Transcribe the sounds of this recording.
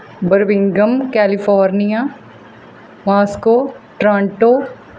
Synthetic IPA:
bəɾʋɪ̃ŋɡəmkɛːlɪfʰɔːɾnijaː | maːskoːʈɾãːɳʈoː

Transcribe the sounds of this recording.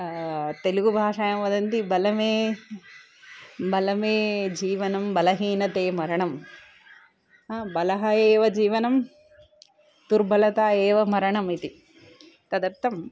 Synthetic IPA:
t̪eluɡubʱaːʂajɐmʋɐd̪ɐnt̪ibɐlɐmeː | bɐlɐmeːd͡ʒiːʋɐnɐmbɐlɐɦiːnɐt̪eːmɐɾɐɳɐm | ɦaːbɐlɐɦɐeːʋɐd͡ʒiːʋɐnɐm | d̪uɾbʱɐlɐt̪aːeːʋɐmɐɾɐɳɐmit̪i | t̪ɐd̪ɐɾt̪ɐm

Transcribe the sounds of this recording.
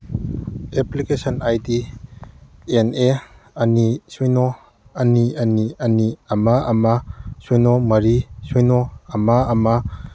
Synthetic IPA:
eplikesɔnajdi | ene | ɐnisujnɔ | ɐniɐniɐniɐmaɐmasujnɔmɐɾisujnɔɐmaːma

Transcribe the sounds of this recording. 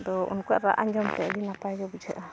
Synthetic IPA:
d̪ɔṵnkujaʔɾa̰ʔaɲd͡ʒɔmt̪ɛʔɽinapajd͡ʒɔbud͡ʒʱaʔa

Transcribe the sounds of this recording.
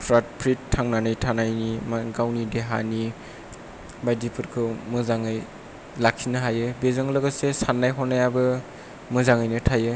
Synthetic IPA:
pʰɾat̚pʰɾitʰːaŋnanɯjtʰanajnimaɡawnideɦa̰ni | bajdipʰɯɾkʰɯmɯzaŋɯj | lakʰinɯɦajɯbezɯŋlɯɡɯsesanːajɦɔnajabɯ | mɯzaŋajnɯtʰajɯ

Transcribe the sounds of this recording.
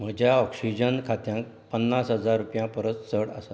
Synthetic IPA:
m̤əd͡ʑʱjaɔksid͡ʑənkʰat̪jãŋk̚ | pənːasɦəd͡zaɾːupjãpəɾət͡st͡səɽə̰sa

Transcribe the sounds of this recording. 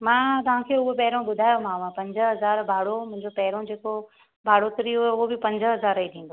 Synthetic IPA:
mãːt̪ɐʋ̤ãːkʰeːʊɦopɐɦɪɾõɓʊd̪ʱaːjomãːʋãpɐ̃ɲd͡ʑəɦɐzaːɾbʱaːɽomʊ̃ɦɪ̃ɲd͡ʑopɐɦɪɾõd͡ʑeːko | bʱaːɽot̪ɾiʊeʊɦobɪpɐ̃ɲd͡ʑəɦɐzaːɾit̪ʰĩːn̆d̪o

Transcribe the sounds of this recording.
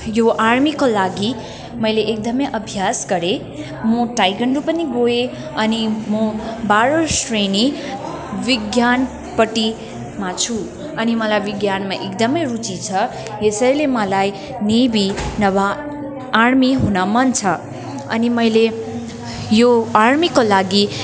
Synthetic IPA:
joʔarmikolaɡi | mʌjleʔek̚d̪ʌmʌjʔʌbʱjasɡʌɾe | mʌʈajɡʌɳɖupʌniɡoe | ʌnimʌbaɾosreni | biɡjan | pʌʈi | mat͡sʰu | ʌnimʌlajbiɡjanmaʔekd̪ʌmʌjrut͡sit͡sʰʌ | esʌilemʌlaj | nibinʌβa | armiɦunʌmʌnt͡sʰʌ | ʌ̰nimʌjle | joarɾmikolaɡi

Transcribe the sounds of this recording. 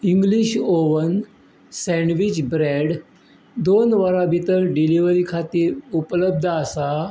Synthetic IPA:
iŋɡliɕoʋən | sɛ̃ɳɖʋit͡ɕbɾeɽ | d̪onʋəɾabʱit̪əɾɖiliʋəɾikʰat̪iːɾupləb̚d̪ʱəəsa

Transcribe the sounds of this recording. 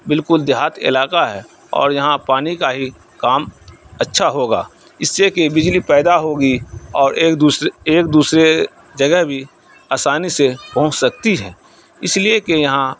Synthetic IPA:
bɪlkʊld̪jaːt̪ɪ̰laːkaɦɛ | ɔ̰ːɾjɐɦãpaːnikaɦi | kaːm | ətːʃʰaɦoːɡa̰ː | ɪsːekebɪd͡ʒlipɛːd̪aɦoːɡiɔːɾ | eːk̚d̪uːsɾe | d͡ʒɐɡɛɦbʱi | aːsaːnisepɐ̃ɦʊ̃t͡ʃsɐk̚t̪iɦɛː | ɪsliekejɐɦã

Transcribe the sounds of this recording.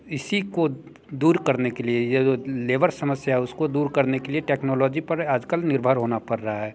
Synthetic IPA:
ɪsiko | d̪uːɾkɐɾnekeliejed͡ʒoleːʋəɾsɐməsjaɦɛʊskod̪uːɾkɐɾnekelieʈeːknɔːlɔːd͡ʒipɐɾaːd͡ʒkəlnɪɾbʱəɾɦoːnapɐɾːɐɦaɦɛː

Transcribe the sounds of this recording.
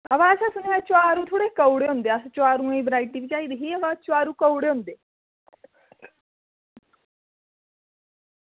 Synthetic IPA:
əʋaəsasunjat͡ɕaɾũːt̪ʰoɽekəwɽeõnd̪eəsat͡ɕaɾũibɾajʈːiʋit͡ɕaiːd̪ɦiːəʋat͡ɕaɾũːkəwɽeund̪e

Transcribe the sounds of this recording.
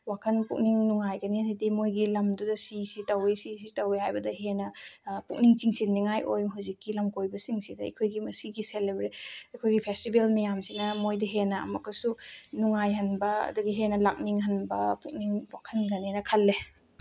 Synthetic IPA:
wakʰɐnpuk̚niŋnuŋajɡɐnihajdimojɡilɐmdudɐsisitɐwisisitɐwehajbɐdɐɦenɐpuk̚niŋt͡ʃiŋsinnːiŋajojmɐɦuzikːilɐmkojbɐsiŋsidɐɐ̰kʰojɡimɐsiɡiselebɾetɐkʰojɡipʰestibelmijamsinɐmojdɐɦenɐɐ̰mɐkːɐsunuŋajɦɐnbɐɐ̰duɡiɦenɐlak̚niŋɦɐnbɐpuk̚niŋwakʰɐnɡɐninɐkʰɐlːe

